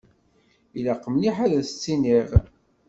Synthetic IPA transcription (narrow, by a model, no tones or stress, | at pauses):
ilaqːəmniħaðæsə̥t͡sːiniʁ